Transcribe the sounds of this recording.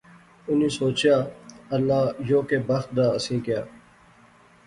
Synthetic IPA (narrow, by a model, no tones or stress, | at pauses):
ʊnĩːsoːt͡ʃjaːɐlːaːjoːkeːbɐxt̪̚d̪aːəsĩːkja̰ː